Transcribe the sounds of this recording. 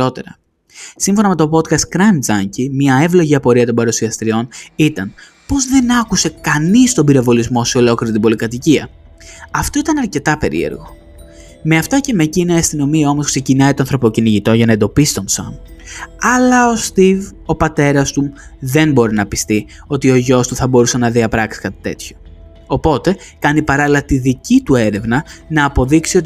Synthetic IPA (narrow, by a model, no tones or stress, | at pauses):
o̞t̪e̞̰ɾɐ | siɱfo̞nɐme̞t̪o̞po̞t̪kɐst̪̚kɾɐnd͡zɐɲcimɲɐe̞vlo̞ʝiɐpo̞ɾiɐt̪o̞mbɐɾusiɐst̪ɾio̞nit̪ɐn | po̞zðe̞nɐkuse̞kɐnist̪o̞mbiɾɐvo̞lizmo̞sio̞lo̞kliɾit̪ibo̞likɐt̪iciɐ | ɐft̪o̞it̪ɐnɐɾce̞t̪ɐpe̞̰ɾḭḛɾɣo̞ | me̞ɐft̪ɐce̞mecineɐst̪ino̞miɐo̞mo̞skse̞cinɐit̪oɐnθɾo̞po̞ciniʝit̪o̞ʝɐnɐed̪o̞pisi̥t̪o̞nso̰mɐlɐo̞st̪iv | o̞pɐt̪e̞ɾɐst̪u | ðe̞nbo̞ɾinɐpist̪i | o̞t̪io̞ʝo̞st̪uθɐbo̞ɾusenɐðiɐpɾɐksi̥kɐt̪i̥t̪e̞̰t̪ço̞̥ː | po̞t̪e̞kɐnipɐɾɐlilɐt̪iðicit̪ue̞ɾe̞vnɐnɐːpo̞ðiksio̞t̪